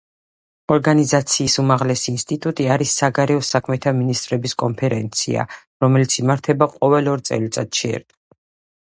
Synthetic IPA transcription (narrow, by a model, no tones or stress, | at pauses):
ɔɾɡanizat̪sʰiːsumaʁlɛsiːnst̪ʼit̪ʼut̪ʼiaɾisːaɡaɾɛɔsakʰmɛt̪ʰaminist̪ʼɾɛbiskʼɔnpʰɛɾɛnt̪sʰḭa̰ | ɾɔmɛlit̪sʰimaɾt̪ʰɛbaqʼɔvɛlɔɾt̪sʼɛ̰lit̪sʼa̰d̪ʃɛɛ̰ɾd̪